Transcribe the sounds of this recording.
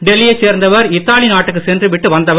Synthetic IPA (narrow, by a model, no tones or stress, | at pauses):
ɖɛlːɪjɐseːɾnd̪ɐʋɐɾɪt̪ːaːlinaːʈːɯk̬ːɯsɛndrɯʋɪʈːɯʋɐnd̪ɐʋɐ